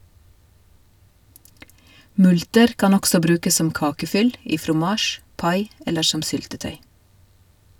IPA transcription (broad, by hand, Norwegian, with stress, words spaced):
ˈmʉltəɾ ˈkɑn ˈɔksɔ ˈbɾʉːkəs ˈsɔm ˈkɑːkəˌfʏl ˈiː fɾʊˈmɑːʃ ˈpɑɪ ˈɛləɾ ˈʃɔm ˈsʏltəˌtœʏ